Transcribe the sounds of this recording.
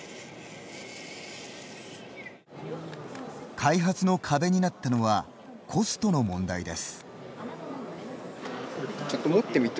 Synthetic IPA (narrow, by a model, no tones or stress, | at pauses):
kʰaiɦat͡sɨno̞kʰabe̞ɲ̟inat̪ːano̞βa | kʰo̞sɨ̥t̪o̞no̞mõ̞nd̪aid̪e̞sɨ̥ | t͡ɕot̪ːomot̪ːemʲit̪